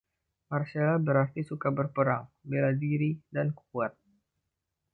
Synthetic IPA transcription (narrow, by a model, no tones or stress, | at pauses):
marsalabəɾart̪isukabərpəɾaŋbeladiɾidanku̥kuat̪̚